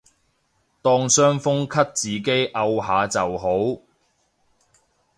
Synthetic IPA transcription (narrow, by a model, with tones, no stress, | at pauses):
t̪ɔː˧ŋsœː˥ŋfʊ˥ŋkʰɐ˥t̚t͡siː˨˩k̬e˥jʔɐ˧wɦaː˨˧t͡sɐ˨wɦo˨˥w